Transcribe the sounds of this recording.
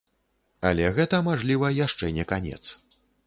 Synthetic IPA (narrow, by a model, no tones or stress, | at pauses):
ɐlʲɛɣɛt̪ɐmaʐlʲivɐjaʂt͡ʂɛnʲɛkanʲɛ̰t̪s